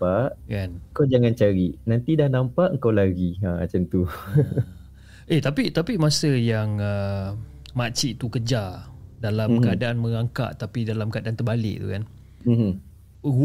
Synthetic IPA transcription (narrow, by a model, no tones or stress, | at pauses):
paʔkanəŋkawd͡ʒaŋãnt͡ʃaɾiʔnant̪idahnampaʔəŋkawlaɡiaa̰t͡ʃənt̪u | ʔeht̪apit̪apimasəjaŋə | mat͡ʃiʔt̪ukəd͡ʒadalammkəadaʔanmə̃ŋaŋka̰ʔt̪apidalamkəadaant̪ərbalɪ̰ʔ̚t̪ṵkan | m̩m | u